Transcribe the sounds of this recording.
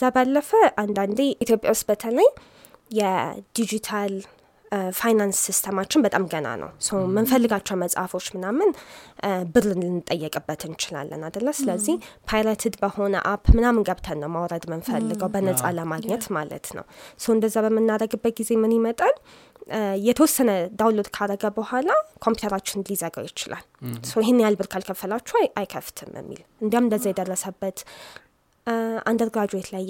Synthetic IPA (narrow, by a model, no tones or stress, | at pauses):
zabalːəfəʔand̪and̪eit̪ʰjo̞pʼjawust̪bət̪ʰələjː | ɛd̪̥id͡ʒit̪ʰal | fajnansːist̪ʰəmat͡ʃːɪnbət̪ʼamɡəna̰nʔə̰wsəwmɨnfəlːɨɡat͡ʃːɛwməsʼafo̞t͡ʃːmɨnamːɨn | bɨɾɨnlɨnːɨt̪ʼːəjːɛkʼɨbːət̪ʰɨnt͡ʃɪla̰lːə̰nad̪əlːəmsɨləzːihpʰajɾat̪ʰɨd̪bəho̞nə̰ʔapːmɨnamɨnɡəβt̪ʰənːəwmawɾəd̪mɨnfəlːɨɡəwbənəsʼa̰ləmaɡɲɛt̪malə̰t̪nə̰wsəwɨnd̪əzːaβəmɨnːaɾəɡɨbːət̪̚ɡize̞mɨnimət̪ʼən | jɛt̪ʰəwɔsːənəd̪awlod̪kʰaɾəɡəbəhʷalakʰo̞mpju̥t̪ʰəɾat͡ʃːɪnlizəɡa̰jɪt͡ʃɪla̰lsəwɪɦɪnːjalbɨɾkʰalkʰəfəlat͡ʃːuajkʰəft̪ʰɨmə̰mːḭlʔɨnd̪jamɨnd̪əzːajɛd̪ərːəsəbːət̪ | and̪əɾɡɾad͡ʒojt̪ʰlaj